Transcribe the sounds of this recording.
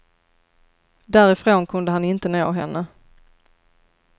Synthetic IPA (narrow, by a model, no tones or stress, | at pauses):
d̪æːɾɪfɾoːnkʰɵnd̪əɦanɪnt̪ənoːɦɛnːə